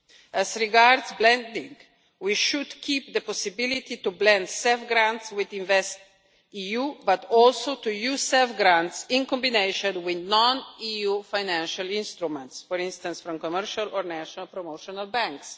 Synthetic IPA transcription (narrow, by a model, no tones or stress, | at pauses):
ɛzɾiɡaɾd̪sblɛ̃nd̪ĩŋɡ | wiʃud̪kʰip̚d̪əpɔsibilit̪it̪ublɛ̃nd̪sɛlfɡɾãnt̪swid̪ĩnvɛst | ijubat̪ɔlsoʊt̪ujuzsɛlfɡɾãntsĩnkɔ̃mbineɪʃɔ̃nwɪd̪nɔ̃nijufaɪnæ̃nʃalĩnst̪ɾumɛ̃ntsfɔɾĩnst̪ãnsfɾɔ̃mkɔmɛɾʃalɔɾnæʃɔnalpɾɔmoʊʃɔnalbæ̃ŋks